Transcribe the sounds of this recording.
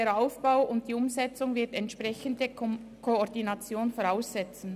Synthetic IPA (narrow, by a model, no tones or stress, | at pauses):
eːɐɾaʊfb̥aʊʊnt̚d̥iːʊmzɛt͡sʊŋvɪɐtɛntʃpʁɛçəndə | kʰoːʁdinat͡sjoːnfoʁaʊsːɛt͡sn̩